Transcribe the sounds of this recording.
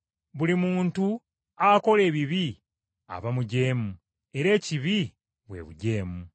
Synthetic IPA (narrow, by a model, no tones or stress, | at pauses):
βulimuːntu | ako̞le̞ːβiβi | a̰βamuɟe̞ːmu | e̞ɾe̞ːciβi | βwe̞̰βuɟe̞ːmu